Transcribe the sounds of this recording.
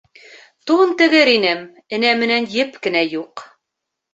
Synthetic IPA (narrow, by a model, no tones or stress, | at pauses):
t̪unt̪ɘ̆ɡɘɾinɘm | ɘ̆næmɘ̆nænjɘpkɘ̆næjuq